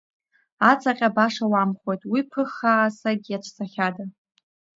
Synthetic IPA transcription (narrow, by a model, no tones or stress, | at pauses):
at͡sʼaqʲʼabaʂawamχʷo̞jtʼwipʰɨχaːsaɡʲiaʈ͡ʂʷʰsʰʼaχʲada